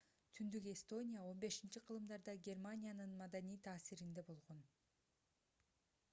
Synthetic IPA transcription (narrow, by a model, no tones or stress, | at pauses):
t̪ʰynd̪yke̞st̪o̞nʲijao̞nbe̞ʃint͡ʃiqʰɯlˠɯmd̪ɑɾd̪ɑɡʲe̞rmanʲijanɯnmɑd̪anijt̪ʰɑːsiɾind̪e̞bo̞lˠʁo̞n